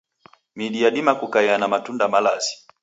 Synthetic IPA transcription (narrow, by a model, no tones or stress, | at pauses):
miɗiaɗimakukaɛanamatundamalasi̥